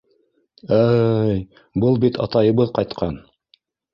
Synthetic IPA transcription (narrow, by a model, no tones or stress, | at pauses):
æj | bɤlˠbit̪ʰɑ̰t̪ɑjɤ̆βɤðqɑjt̪qʰɑn